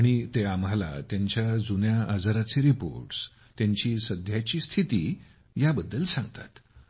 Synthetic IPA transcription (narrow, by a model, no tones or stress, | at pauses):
aɽ̃it̪eamala̰t̪jaɲt͡ɕjad͡zunjaʔad͡zəɾat͡seɾipo̰ɾʈs | t̪jaɲt͡ɕiːsəd̪ʱjat͡ɕiːst̪ʰit̪iː | jabəd̪ːəlsãŋɡt̪at̪